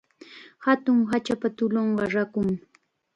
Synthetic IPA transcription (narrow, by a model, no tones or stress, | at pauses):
hat̪ʊŋɦat͡ʃapat̪ʊloɴɢɑɾakʊŋ